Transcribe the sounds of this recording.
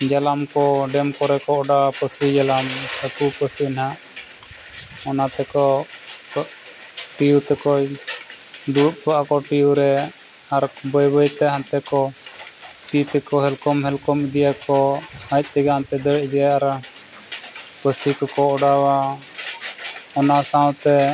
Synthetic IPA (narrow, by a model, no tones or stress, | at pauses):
d͡ʒalamkɔɖɛmkɔɾɛkɔɔɖaapəsid͡ʒalamhəkupəsinhaʔ | ɔnat̪ɛkɔ | ʈijut̪ɛkɔ | d̪uut̪̚paʔakɔʈijuɾɛ | aɾbɔjbɔjt̪ɛɦant̪ɛkɔ | t̪it̪ɛkɔɦɛlkɔmhɛlkɔmid̪ijakɔhac̚ˀt̪ɛɡaant̪ɛd̪əɽʔd̪ɛjaaɾ | pəsikɔkɔɔɽawa | ɔnasaw̃t̪ɛ